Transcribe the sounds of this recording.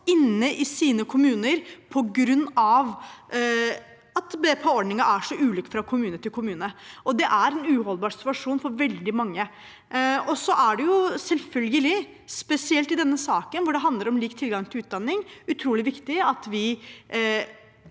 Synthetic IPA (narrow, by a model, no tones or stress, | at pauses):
ɪnːəʔɪsiːnəkʰʊmʉːnəɾpʰɔɡɾʉnːɑʋ | ɑt̪bɛːpʰəɔɖnɪŋɑʔæʂɔʔʉːlʏkːfɾɑkʰʊmʉːnət̪ʰɪlkʰʊmʉːnəʔɔd̪ɛʔæɾɛnʉːɦɔlbɑːɾsɪ̥t̪ʋʉɑʂuːnfɔɾʋɛld̪ɪmɑŋːə | ɔsɔʔæɖɛjʊsɛlfœlɡəlɪ | spɛsɪɛlt̪ɪd̪ɛnːəsɑːkənʋʊɖɛɦɑnd̪ləɾɔmliːkt̪ʰɪlɡɑŋt̪ʰɪlʉːt̪̚d̪ɑnːɪŋʉt̪ʰɾuːlɪʋɪkt̪ɪɑt̪ʋɪ